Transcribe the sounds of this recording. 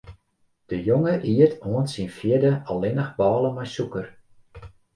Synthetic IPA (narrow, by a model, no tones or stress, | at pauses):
d̥əjoŋəʔiətʰoənsinfjɪdəɔlˠɪnəxbɑːlˠəmajsukər